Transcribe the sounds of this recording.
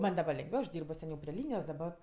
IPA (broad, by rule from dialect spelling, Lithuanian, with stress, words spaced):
ˈmɐnʲ dɐˈbɐ lʲɛŋɡˈʋʲɛʊ ɐʃ ˈdʲiːrboː sʲɛˈnʲɛʊ pʲrʲɪ ˈlʲiːnʲɪjoːs dɐˈbɐ